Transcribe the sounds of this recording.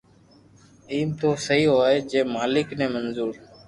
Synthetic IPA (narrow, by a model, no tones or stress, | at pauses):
iːmt̪oːsəɦiːoaːɦeːd͡ʒẽːmaːlɪknẽːmənzuːɾ